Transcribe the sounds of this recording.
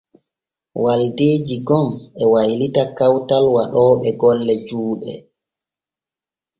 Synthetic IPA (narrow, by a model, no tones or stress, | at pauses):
waldeːd͡ʒiɡɔmɛwajlitakawtalwaɗɔːɓɛɡɔlːɛd͡ʒuːɗɛ̰